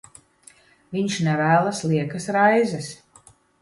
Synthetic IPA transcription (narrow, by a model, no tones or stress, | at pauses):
vʲiɲʃnɛvæːlˠasliɛkasɾajzɛs